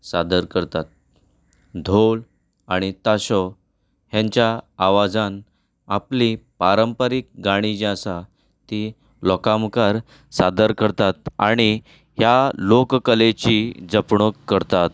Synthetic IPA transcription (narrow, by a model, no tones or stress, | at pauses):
sad̪əɾkəɾt̪at̪̚ | d̪ʱol | aɽ̃it̪aɕɔ | ɦjãɲt͡ɕjaːʋad͡zan | aplipaɾəmpəɾik̚ɡaɽ̃id͡ʑasa | t̪i | lɔkamkaɾ | sad̪əɾkəɾt̪at̪̚aɽ̃i | ɦjalokkəlet͡ɕid͡zəpɳokːəɾt̪at̪̚